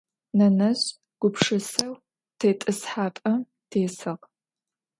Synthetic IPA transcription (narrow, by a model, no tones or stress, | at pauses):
nɐnɐɕ | ɡ̥ʷʊpʂɨsɐw | tʰeːtʼɨsħaːpʼɐ | tʰeːsɨʁ